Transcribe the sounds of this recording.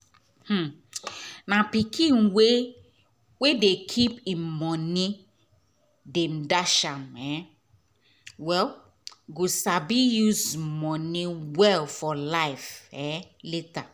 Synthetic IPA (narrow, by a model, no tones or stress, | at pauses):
h̩ | napikʰĩnwe | wedekʰipĩmmɔni | dem̩daʃãmɛ | wɛl | ɡosabijuzmɔniwɛlfɔlaɪfɛleta